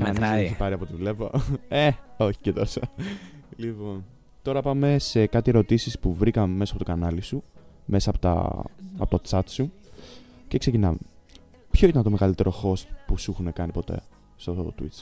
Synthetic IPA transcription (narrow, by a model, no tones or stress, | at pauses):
kɐnizeeçipɐɾiɐpo̞t̪iðlevo̰eoçi̥cet̪osɐ | lipo̞n | t̪o̞ɾɐpɐme̞se̞kɐt̪ieɾot̪isispuvɾikɐmme̞sɐpot̪kɐnɐlisume̞sɐːpot̪ɐ̰ɐ̰po̞t̪ot͡sɐt̪su | ce̞kse̞cinɐ̰me | pço̞it̪ɐnt̪oeɣɐlit̪e̞ɾo̞xo̞st̪pusuxune̞kɐnipo̞t̪e̞̰ | st̪ot̪wḭt̪t͡s